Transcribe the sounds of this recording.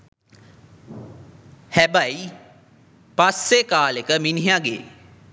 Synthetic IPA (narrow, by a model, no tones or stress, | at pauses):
hæbaj | pasːekaːlekəminiɦjaɡḛː